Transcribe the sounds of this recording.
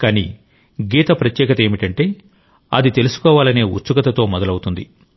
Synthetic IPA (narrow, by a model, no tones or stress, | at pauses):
kaːnḭː | ɡiːt̪ɐpɾɐt̪jɛːkɐt̪ɐe̞ːmiʈɐɳʈe̞ː | ɐd̪it̪e̞lusu̥kɔːʋaːlɐne̞ːṵt͡ʃːuɡɐt̪ɐt̪o̞ːmɔd̪ɐlɐwut̪und̪i